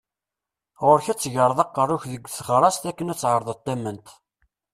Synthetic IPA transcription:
ʁʊɾçæt͡sːʝəɾˤəðˤɑqːərˤːʊçðəɡʷːθχɾˤɑst̪ækːənæt͡sːʕəɾˤðˤət̪ːæmənt̪

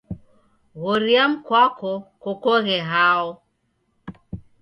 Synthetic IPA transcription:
ɣɔɾiam̩kwakɔkɔkɔɣɛɦaɔ

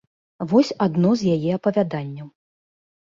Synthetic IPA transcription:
vɔsʲad̪nɔzʲjajɛɐpɐvʲad̪anʲːɐw

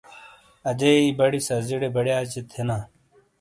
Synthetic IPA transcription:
ɐd͡ʑɐibɐɽisɐziɽebɐɽjaːt͡ɕet̪ʰena

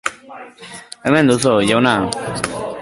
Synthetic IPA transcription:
ɛmɛ̃nd̪usojawna

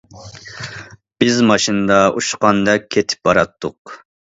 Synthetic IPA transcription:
b̥ɪzmɑʃinɨd̪ɑʔuʃqɑnd̪ɛk̚ʲʰːet̪ʰɪ̥p̚bɑɾɑt̪ʰːʊq

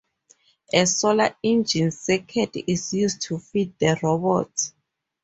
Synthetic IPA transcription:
ɛsɔlaĩnd͡ʒĩnsɛkʰɛdizjustʰufid̚dəɹɔbɔ̰t

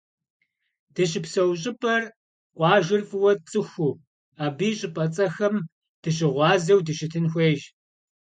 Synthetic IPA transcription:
d̥ɐɕɪpsɐwɕ̬ʼɪpʼɐr | qʷʼɑːʒɪrfʼɨwɐt͡sʼɨxʷuː | aːbiːɕʼɪpʼɐt͡sʼɐxɐm | d̥ɨɕ̬ɪʁʷɑːzɐwdɨʃɪtʰɨnxʷeːʒ

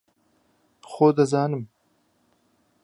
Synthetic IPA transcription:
xoːd̪ɐzɑːnɨm

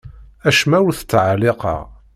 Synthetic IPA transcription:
æʃmæwʊɾθə̥t͡sːʕaleqɑ̰ʁ

